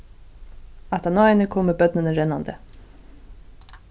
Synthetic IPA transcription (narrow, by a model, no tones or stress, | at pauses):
at̪anɔːɪnɪkʰɔːmɪɾbœt̪̚nɪnəɾɛnːand̪ə